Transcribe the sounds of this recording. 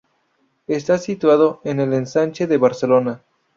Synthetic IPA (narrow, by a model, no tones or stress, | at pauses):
est̪asit̪waðoenelensant͡ʃeðeβaɾselona